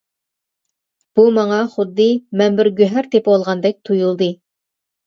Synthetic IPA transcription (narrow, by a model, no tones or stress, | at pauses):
b̥umɑŋɑχʊd̪ːɨmɛnbɪɾɡʲøɦæɾt̪ʰepolˠʁɑnd̪ɛk̚ʲt̪ʰujulˠd̪ɨ